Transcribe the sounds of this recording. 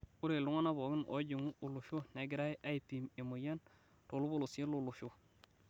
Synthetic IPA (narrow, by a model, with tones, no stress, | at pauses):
u˦ɾe˨lu˦ŋa˦na˦bo˨ɡi˦nʔo̰˨˦ɟi˨ŋu˦ʔu˨lu˨ʃo˦ne˨ɡi˨ɾa˦jʔa˦i˨pi˨me˨mo˨ja˦n | to˨lu˦bo˦lu˨se˦lu˦˨lu˨ʃu˦